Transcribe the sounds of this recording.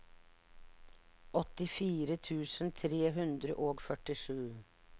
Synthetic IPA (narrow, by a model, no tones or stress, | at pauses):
ʔɔt̪ɪfiːɾət̪ʰʉːsənt̪ʰɾeːɦʉnd̪ɾəʔoːɡfœʈɪʂʉː